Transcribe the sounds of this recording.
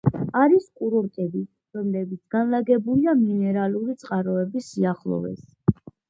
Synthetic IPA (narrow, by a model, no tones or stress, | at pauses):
aɾiskʼuɾɔɾt̪ʼɛbi | ɾɔmlɛbit̪sʰɡ̥anlaɡɛbuliaminɛɾaluɾit̪sʼqʼaɾɔɛbisiaχlˠɔ̰vɛ̰s